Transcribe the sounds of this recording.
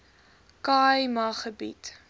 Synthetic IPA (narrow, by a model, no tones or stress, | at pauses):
kɑjmɐχəbḭt